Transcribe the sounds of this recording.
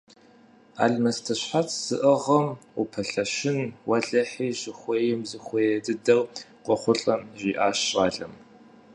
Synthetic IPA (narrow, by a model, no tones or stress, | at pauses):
a̰ːɮmɐstʰɐɕħat͡sʰz̥ɨʔɨʁɐmupʰɐɬɐʃɪnwɐɮɐħiːʑɪχʷeːjɪmzɨχʷeːdɨdɐrqʷɔχʷʊɬʼɐmʒiːʔaːɕɕʼaːɮʼɐm